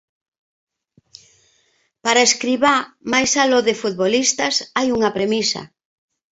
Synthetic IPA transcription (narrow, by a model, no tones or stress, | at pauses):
paɾaeskɾiβamajsaloðɪfut̪̚βolist̪ɐsajuŋɐpɾemisɐ̰